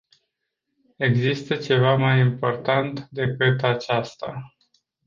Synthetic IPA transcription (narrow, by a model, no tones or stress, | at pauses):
e̞ɡzist̪ət͡ʃe̞vamajimpo̞rt̪ant̪d̪e̞kɨt̪at͡ʃast̪a